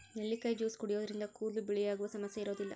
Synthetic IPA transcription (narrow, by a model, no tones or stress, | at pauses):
neɭːikɐjd͡ʒuːskɔɽijoːd̪ɐɾind̪ɐkuːlubɛɭijaːɡuʋɐsɐmɐsjɐiɾo̞ːd̪ilːɐ̰